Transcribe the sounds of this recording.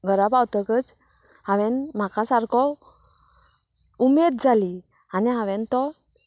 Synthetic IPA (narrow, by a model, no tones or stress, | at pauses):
ɡəɾabawt̪əɡət͡s | hãʋɛ̃nm̤akasaɾkʰɔ | umed̪̚d͡zʱali | aniɦaʋɛ̃nt̪ɔ